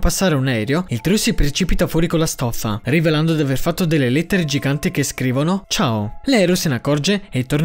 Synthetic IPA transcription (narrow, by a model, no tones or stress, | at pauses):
pasːaːɾeunɛːɾjoilt̪ɾusipɾet͡ʃipit̪afwɔːɾikolːast̪ɔfːa̰riveland̪od̪iaverfat̪ːod̪elːelet̪ːeɾed͡ʒiɡant̪ikeskɾiːvonot͡ʃaːolɛɾosenakːɔrd͡ʒeet̪ːorn